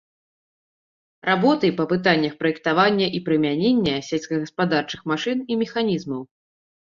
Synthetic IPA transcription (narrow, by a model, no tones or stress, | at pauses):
rabɔt̪ɨjpɐpɨt̪anʲːɐxpɾɐjɛk̚t̪avanʲːɐʔipɾɨmʲanʲenʲːɐsʲɛlʲsʲkɐɣɐspad̪art͡ʂɨ̥xmaʂɨnimʲɛxanʲizmɐw